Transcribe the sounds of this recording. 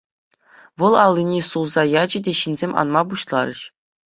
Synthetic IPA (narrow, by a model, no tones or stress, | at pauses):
ʋɤ̆lˠɑlʲˠːinʲisulˠzɑjɑd͡ʑɘ̆dʲeɕinʲzʲemʲʔɑ̰nmɑbuɕlˠɑ̰ɾɤ̰̆ɕ